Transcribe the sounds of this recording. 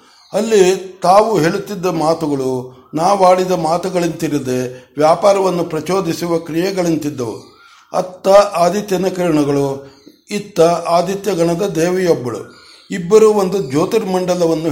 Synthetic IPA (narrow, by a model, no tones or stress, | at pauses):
ɐlːit̪aːʋuɦe̞ːɭut̪ːid̪ːɐmaːt̪uɡɐɭunaːʋaːɭid̪ɐmaːt̪uɡɐɭint̪iɾid̪e̞ʋjaːpaːɾɐʋɐnːupɾɐt͡ʃo̞ːd̪isuʋɐkɾijɐɡɐɭint̪id̪ːɐʋṵ | ɐ̰t̪ːɐʔaːd̪ʱit̪jɐnɐkɐɾɳɐɡɐɭu | it̪ːɐʔaːd̪ʱit̪jɐɡɐɳɐd̪ɐd̪ɛːʋɛjɔbːɐɭṵ | ibːɐɾuond̪ud͡ʒoːt̪iɾmɐɳɖɐlɐʋɐnːu